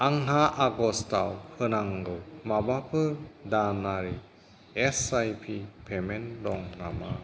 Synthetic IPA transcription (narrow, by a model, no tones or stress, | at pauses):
aŋɦaʔaɡɔstawhɯnaŋɡɯwmabapʰɯdanaɾi | ɛsajpʰipʰemendɔŋnama